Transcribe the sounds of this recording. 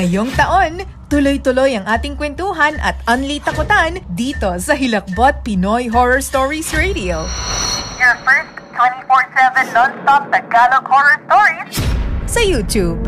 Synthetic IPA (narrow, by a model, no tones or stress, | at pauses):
ɐjoŋt̪ɐʔo̞n | t̪ʊlojt̪ʊlo̞jɐŋʔaːt̪ɪŋkwɛnt̪uːɦɐnʔɐ̰t̪ʔɐnlit̪ɐkʊt̪and̪iːt̪o̞sɐɦɪlɐk̚bot̪̚pɪnojɦoɹoɹst̪oɹisɹed̪io | jafɛɹst̪t̪ʰwɛ̃nifɔɹsɛvɛ̃nlɔnst̪ɔp̚d̪ɐɡalokhɔɹɔɹst̪ɔɹid͡ʒsɐjuːt̪jub̚